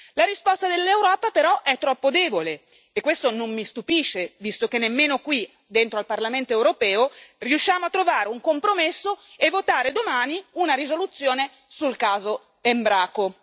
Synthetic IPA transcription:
laɾispɔst̪ad̪elːewɾɔːpapeɾɔʔɛt̪ːɾɔpːod̪ɛːvole | ekːwest̪onomːist̪upiʃːevist̪okenːemːeːnokwi | d̪ent̪ɾoalparlament̪oewɾopɛːoriuʃːaːmoat̪ːɾovaːɾeuŋkompɾomesːo | evːot̪aːɾed̪omaːniunaɾizolut̪sːjoːne | sulkaːzo | embɾaːko

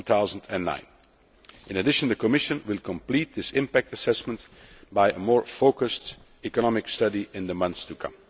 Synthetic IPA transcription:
θaʊzn̩dɨ̃nːã̰ɪ̃n | ʔɪ̃nɨdɪʃə̃n̩d̪əkəmɪʃə̃nwɪlˠkə̃mplit̪̚ðɪsɪ̃mpæk̚təsɛsmə̃nt | baɪʔəmɔːɹfoʊkəst | ikənɑmɪkstʌdiʔɪ̃nðəmʌ̃nθstukʰʌ̰̃m

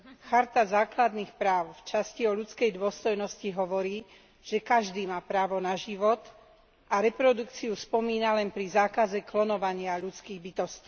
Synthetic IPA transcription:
xaɾt̪azaːklad̪nixpɾaːʊft͡ʃasciɔʎut͡skɛjd̪ʊɔst̪ɔjnɔsciɦɔʋɔɾiː | ʒ̥ɛkaʒd̪iːmaːpɾaːʋɔnaʒiʋɔt̪ | ʔaɾɛpɾɔd̪ukt͡siuspɔmiːnalɛnpɾizaːkazɛklɔnɔʋaɲɪaʎut͡skiːɣbit̪ɔsci

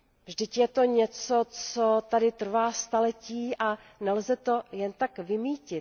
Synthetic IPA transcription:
vʒdɪcjɛt̪o̞ɲɛt͡sot͡sot̪adɪt̪r̩vaːst̪alɛciːʔanɛlzɛt̪o̞jɛnt̪akvɪmiːcɪ

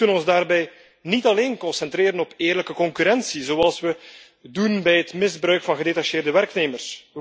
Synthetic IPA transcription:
ənənɔnzdaːrbɛj | nitɑleːnkɔnsɛntreːɾənɔpeːrləkəkɔŋkyɾɛnsizoɑlˠswə | dunbɛjɦətmɪzbrœɥkfɑnɣədetɑʃɪːrdəʋɛrkneːmərs

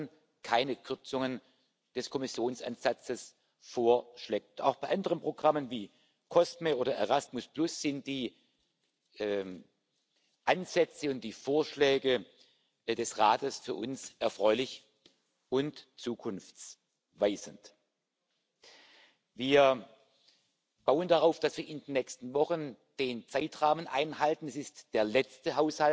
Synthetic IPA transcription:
n | kʰaɪnəkʰʏɐt͡sʊŋən | d̥ɛskʰɔmɪsjoːnsa̰nz̥at͡səs | foːɐʃlɛːk̚tʔa̰ʊxb̥aɪʔandəʁ̞ənpʁ̥oɡʁamənviː | kʰɔsmeʔoːɾɐʔeʁasmʊsplʊsːɪnt̚d̥iː | ʔanzɛt͡səʊnt̚d̥iːfoːɐʃlɛːɡə | d̥ɛsʁaːtəsfyːɐʔʊ̰nsʔɛɐfʁ̥ɔʏlɪç | ʊntt͡suːkʰʊnft͡s | vaɪzənt | viːɐ | b̥aʊəndaʁaʊfd̥asviːɐɪndenːɛkstn̩vɔχən | d̥eːnt͡saɪtʁaːmənʔa̰ɪnhaltn̩ɛsɪstd̥eːɐlɛt͡stəɦaʊshal

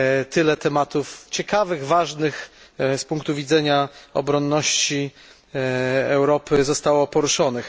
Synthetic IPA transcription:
t̪ɘlɛt̪ɛmat̪uft͡ɕɛkavɘɣvaʐnɘx | spuŋk̚t̪uvʲid̪zɛɲaɔ̰bɾɔnːɔɕt͡ɕi | ɛwɾɔpɘzɔst̪awɔpɔɾuʂɔnɘx

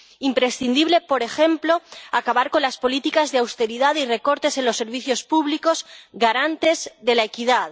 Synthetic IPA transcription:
impɾe̞sθind̪iβle̞po̞ɾe̞xe̞mplo̞akaβaɾko̞nlaspo̞lit̪ikazðeawst̪e̞ɾiðaðire̞ko̞ɾt̪e̞se̞nlosːe̞ɾβ̞iθjo̞spuβlikozɡaɾant̪e̞zðe̞lae̞kiðað

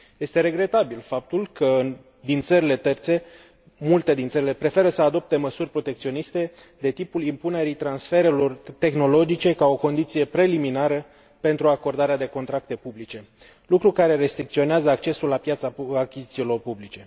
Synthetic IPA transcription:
je̞st̪e̞ɾeɡɾe̞t̪abilfap̚t̪ulkə | d̪int̪səɾile̞t̪ert̪se̞ | mult̪e̞d̪int̪səɾile̞pɾe̞fe̞ɾəsəad̪o̞p̚t̪e̞məsurʲpɾo̞t̪e̞k̚t̪sio̞nist̪e̞ | d̪e̞t̪ipulimpune̞ɾijt̪ɾansfe̞ɾe̞lo̞rt̪e̞xno̞lo̞d͡ʒit͡ʃe̞kao̞ko̞nd̪it̪sije̞pɾe̞liminaɾə | pe̞nt̪ɾuako̞rd̪aɾead̪e̞ko̞nt̪ɾak̚t̪e̞publit͡ʃe̞ | lukɾukaɾe̞ɾe̞st̪ɾikt̪sio̞neazəakt͡ʃe̞sulːapjat̪saakʲizit̪siilo̞rpublit͡ʃe̞

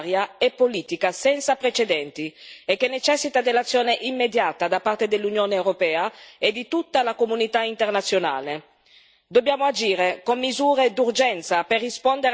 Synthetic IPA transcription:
ɾjaepːoliːt̪ikasɛnt̪sapɾet͡ʃed̪ɛnt̪iekːenːet͡ʃɛsːit̪ad̪elːat̪sːjoːneʔimːed̪jaːt̪ad̪apːart̪ed̪elːunjoːneewɾopɛːaed̪ːit̪ut̪ːalakomunit̪aint̪ernat̪sːjona̰ːle | d̪objaːmoad͡ʒiːɾekomːizuːɾed̪urd͡ʒɛnt̪saperːispond̪eɾ

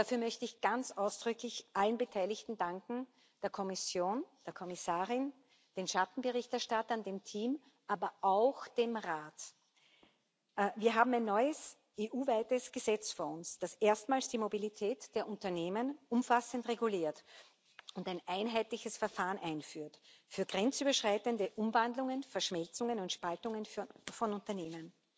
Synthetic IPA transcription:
d̥afyːɐmœçtəɪçɡ̥ant͡saʊsd̥ʁʏklɪçʔalənbətʰaɪlɪçtn̩daŋkŋ̩ | d̥eːɐkʰɔmɪsjoːnd̥eːɐkʰɔmɪsaːʁɪn | d̥eːnʃatn̩bəʁɪçtɛɐʃtatɐndeːmtʰiːm | ʔaːbɐʔaʊxd̥eːmʁaːt | viːɐɦaːbm̩æɪnːɔʏəs | ʔeːʔuːvæɪtəsɡ̥əzɛt͡sfoːɐʊnsd̥asʔeːɐstmaːlsd̥iːmobilitʰɛːtd̥eːɐʔʊntɐneːmənʔʊmfasəntʁeɡuliːɐt | ʊntæɪnʔæɪnɦæɪtlɪçəsfɛɐfaːɐənʔæɪnfyːɐtfyːɐɡ̥ʁɛnt͡syːbɐʃʁ̥aɪtəndəʔʊmvandlʊŋənfɛɐʃmɛlt͡sʊŋənʊntʃpaltʊŋənfɔnʊntɐneːmən

